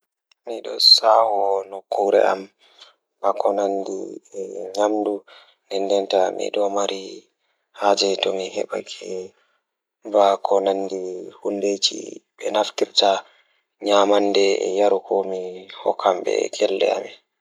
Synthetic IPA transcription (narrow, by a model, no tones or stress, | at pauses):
miɗɔsawɔnɔkːuɾɛ̰a̰m | b̥akɔnandḭɛɲamdu | nɛndɛntamḭɗɔmaɾʔi | had͡ʒɛtɔmihɛɓa̰kʰɛ | vakʰɔnandihundet͡ʃḭɓɛnafkiɾta | ɲamandɛɛ̰jaɾukʰɔmihɔkʰːambɛ̰kʰɛlːɛ̰a̰mɛ